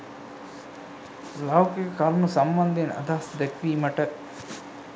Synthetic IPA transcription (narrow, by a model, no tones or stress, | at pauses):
lɐwkekkɐɾnusɐmbɐnd̪enɐ̰d̪aɦɐsd̪ekʋiːmɐʈɐ